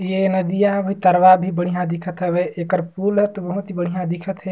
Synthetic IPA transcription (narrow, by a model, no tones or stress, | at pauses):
jenəd̪ijabʱit̪əɾwabʱibəɽ̤ijãd̪ɪkʰət̪ɦɛbeʔekəɾpuːlɦɛt̪obəɦʊt̪ibəɽ̤ijãd̪ɪkʰət̪ɦɛ